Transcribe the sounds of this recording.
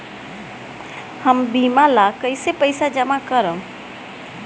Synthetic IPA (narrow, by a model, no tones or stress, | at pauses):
həmbimalakəɪjsepəɪsad͡ʒəmakəɾə